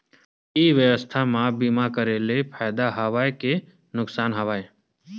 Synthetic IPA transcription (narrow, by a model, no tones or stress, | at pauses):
iʋjəʋəst̪ʰamabiːmakəɾelepʰaːjd̪aɦəʋaːeke | nʊksaːnɦɐʋaːe